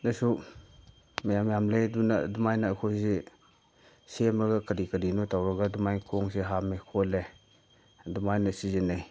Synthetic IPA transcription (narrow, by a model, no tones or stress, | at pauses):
nɐsu | mɐjamjamleduna̰dumajnaːjkʰojse | semɐɡɐkɐɾikɐɾinɔtʰawɾɐɡadumajkʰoŋseɦamekʰole | dumajnɐsizinej